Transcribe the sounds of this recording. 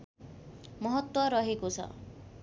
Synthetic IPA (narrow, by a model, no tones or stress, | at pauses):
mʌɦʌt̪wʌɾʌɦekot͡sʰʌ̰